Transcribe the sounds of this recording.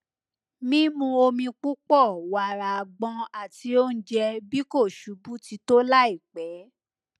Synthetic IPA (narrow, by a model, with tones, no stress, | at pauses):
mĩ˦mũ˧o˧mĩ˧k͡pu˦k͡pɔ˦˨wa˨ɾa˨ɡ͡bɔ̃˧a˨ti˧˦o˦n̩˦d͡ʒɛ˧bi˦ko˦˨ʃu˨˦bu˦ti˧to˦la˦i˦˨k͡pɛ˨˦